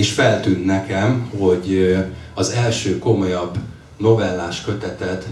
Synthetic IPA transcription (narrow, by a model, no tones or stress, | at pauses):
iʃfɛlt̪yːnt̪nɛkɛmho̞ɟ | ɒzɛlʃøːko̞mo̞jɒbː | no̞vɛlːaːʃkø̞t̪ɛt̪ɛt̪